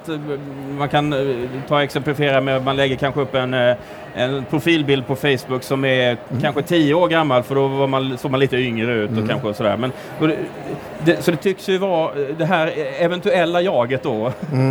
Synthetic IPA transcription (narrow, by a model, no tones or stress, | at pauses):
t̪ | mankʰant̪ʰɑːɛksɛmplɪfɪeːɾamɛmanlɛɡːəɾkʰanɧəɵpːɛn | ɛnpʰɾʊfiːlbɪld̪̚pʰɔfɛjsbɵkːsɔmɛɾkʰanɧət̪ʰijːəoːɾɡamːalfœɖɔvaɾmansoːɡ̚maniːt̪əʏŋɾəʉ̟ːt̪ɔkʰa̰nɧəsɔd̪æ̰ːɾmɛn | dɔɛ | d̪ɛsɔd̪ɛt̪ʰʏksjɵvad̪ɛɦæːɾɛvɛnt̪ɵɛlːajɑːɡət̪̚d̪o